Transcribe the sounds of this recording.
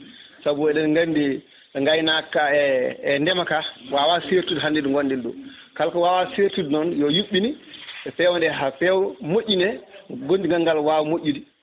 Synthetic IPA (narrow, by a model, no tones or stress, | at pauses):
sabuɛɗɛnŋɡandi | ŋɡajnakaɛɛndɛmakawawaseɾtudɦandiduŋɡɔnːdɛldɔ̰kalkɔwawaseɾtudnɔnjɔjuɓːiniɛpɛwɔndɛɦafɛwmoʔʲːinɛɡondiŋɡaŋɡalwaːwmoʔʲːidi